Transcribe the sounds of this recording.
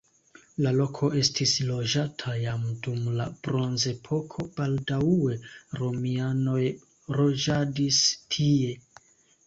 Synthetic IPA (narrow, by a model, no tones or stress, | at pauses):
lalo̞kʰo̞ʔe̞stislo̞d͡ʒatʰajamdumlabɾo̞nze̞pʰo̞kʰo̞b̥aldaue̞ɾo̞miano̞j | ɾo̞d͡ʒadistʰie̞